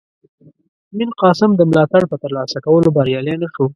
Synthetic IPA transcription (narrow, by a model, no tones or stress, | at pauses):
minqɑsɪmd̪əmlɑt̪aɽpət̪əɾlɑsakawəlobaɾjɑlenaʂo